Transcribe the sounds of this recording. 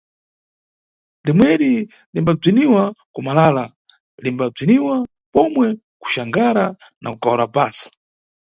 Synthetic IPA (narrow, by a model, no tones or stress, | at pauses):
ndimwɛɗi | limbab͡ʐiniwakumalala | limbab͡ʐiniwa | pɔmwɛ | ku̥ʃaŋɡaɾa | nʔa̰kukawɾapaːsḁ